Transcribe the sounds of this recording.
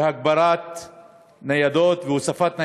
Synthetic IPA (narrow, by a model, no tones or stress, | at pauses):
hak̚bɑɾˤaːt̪ | najad̪oːt̪vɪwʊsafaːt̪na